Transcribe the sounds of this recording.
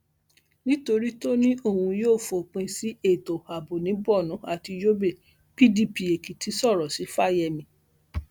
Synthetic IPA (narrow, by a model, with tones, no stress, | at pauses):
nĩ˦to˧ɾi˦to˦nĩ˦o˦˨hũ˧joː˦˨fo˨k͡pẽ˧si˦e˦˨to˨a˨bo˨nĩ˨˦bɔ˦˨nũ˨˦a˨ti˧d͡ʒo˦be˦˨ | pi˦di˦˨pi˧e˨ki˨tʰi˨˦sɔ˦˨ɾɔ˨si˨˦fa˦˨jɛ˧mĩ˧